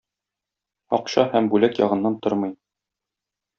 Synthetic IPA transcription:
ɒqɕɑhæmbʉlækjɒ̰ʁɤ̆nːɑnt̪oɾmɤ̆j

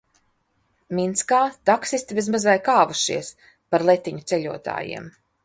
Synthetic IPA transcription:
mʲint̪skaːt̪aksisʲt̪ibʲiz̬mazajkaːvuʃḭɛs | paɾlˠet̪ʲːiɲut̪sɛʎʲuɔt̪a̰ːjḭɛm

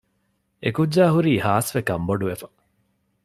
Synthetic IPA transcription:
ekud͡ʒd͡ʒaːɦuɾiːhaːsʋekɐmboɖuʋefɐ̥

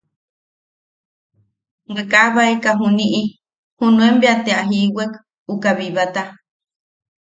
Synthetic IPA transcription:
wekʼaβaekaɦuniʔi | hunũembeat̪eaɦiwek | ukaβiβat̪a

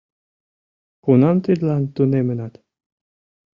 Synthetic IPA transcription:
kunɑmt̪yd̪lɑnt̪unemənɑt̪

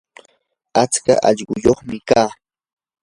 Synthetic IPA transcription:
at͡ska̰ʔɑʎɢʊjoχmɪkaː

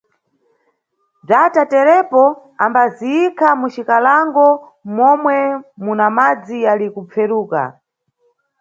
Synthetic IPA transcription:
b͡ʐatatɛɾɛpɔ | ambaziikʰamut͡ʃikalaŋɡɔ | mɔmwɛmunamad͡zijalikupp͡fɛɾuːka̰

